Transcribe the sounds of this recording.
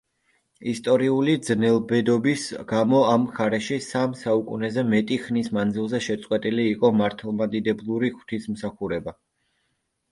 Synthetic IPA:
ist̪ʼɔɾiulid̪znɛlˠbɛd̪ɔbisɡ̥amɔamχaɾɛʃisamsaukʼunɛzɛmɛt̪ʼiχnismand̪zilˠzɛʃɛt̪sʼqʼwɛt̪ʼiliːqʼɔmaɾt̪ʰɛlˠmad̪id̪ɛblˠuɾiχw̥t̪ʰismsaχuɾɛba

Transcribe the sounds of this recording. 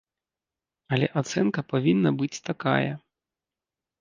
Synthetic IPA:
ɐlʲɛʔat̪sɛnkɐpavʲinːɐbɨt͡sʲt̪aka̰jɐ̰

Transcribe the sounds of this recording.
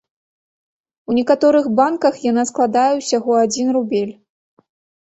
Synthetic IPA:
unʲɛkat̪ɔɾɨɣbankɐxjan̪asklˠad̪ajɛwsʲaɣɔad͡zʲinrubʲelʲ

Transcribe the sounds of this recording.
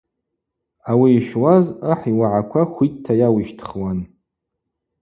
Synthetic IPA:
awiːʃwazaħiwaʕakʷʰaχʷittʰːajawiʃtʰχwan

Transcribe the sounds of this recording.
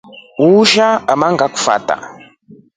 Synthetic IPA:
uːʃaamaŋɡaku̥fa̰ːta̰

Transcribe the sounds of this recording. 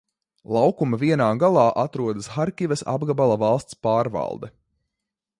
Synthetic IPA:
lˠawkumaviɛnaːɡalˠɑːʔat̪ɾuɔd̪asxaɾkʲivɐsa̰bɡabalˠavɑlˠst̪spaːɾvɑ̰lˠd̪ɛ

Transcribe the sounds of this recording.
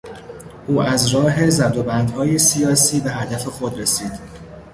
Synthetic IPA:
ʔuːæzɾɒːɦe̞zæb̚d̪o̞bænd̪hɒːjesijɒːsiːbe̞ɦæd̪æfexo̞d̪ɾesiːd̪̥

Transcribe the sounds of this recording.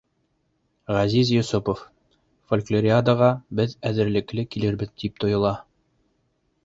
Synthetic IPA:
ʁɑzizjŏsupof | folʲklʲˠoɾʲiad̪əʁɑbɘðæðɘ̆ɾlɘ̆klɘkilɘɾbɘðd̪ip̚t̪ŏjɤ̆lˠɑ

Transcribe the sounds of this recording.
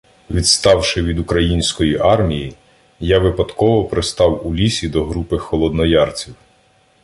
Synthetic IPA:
ʋʲid̪st̪ɑwʃɪʋʲid̪ukɾɐjinʲsʲkɔjiʔɑrmʲiji | jaʋɪpɐd̪kɔʋɔpɾɪst̪ɑwulʲisʲid̪ɔɦɾupɪxɔlˠɔd̪nɔjɑrt͡sʲiw

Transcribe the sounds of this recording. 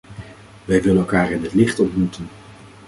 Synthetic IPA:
ʋɛjʋɪlənɛlˠkaːɹɪnɦətlɪχtɔntmutən

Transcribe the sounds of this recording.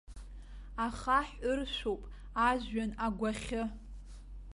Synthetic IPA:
aχaħʷʊrʃʷowpʼ | aʒɥanaɡʷaχʲɪ

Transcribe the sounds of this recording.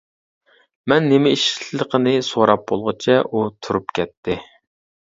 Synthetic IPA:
mɛnːemɛiʃi̥lˠəqʰənɪsoɾɑp̚bolˠʁɨt͡ʃʰɛʔut̪ʰuɾupkʲʰɛt̪ʰːɪ

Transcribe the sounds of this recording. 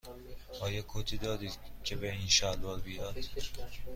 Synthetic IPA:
ɒːjɒːkʰot̪ʰiːd̪ɒːd̪id̪cʰebeinʃælɒːlbiɒd̪

